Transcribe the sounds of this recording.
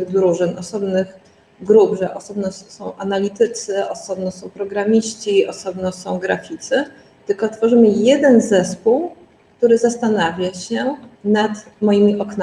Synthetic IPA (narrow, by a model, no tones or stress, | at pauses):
ɣd̪ɾuʐɘnʔɔsɔbnɘx | ɡɾubʐɛʔɔsɔbnɔsɔ̃w̃ʔanalʲit̪ɘt̪sɘʔɔsɔbnɔsɔ̃w̃pɾɔɡɾamʲiɕt͡ɕiɔsɔbnɔsɔ̃w̃ɡɾafʲit̪sɘ | t̪ɘlkɔt̪fɔʐɘmɘjɛd̪ɛnzɛspuw | kt̪uɾɘzast̪anavʲjaɕɛnat̪ | mɔjimʲiʔɔkna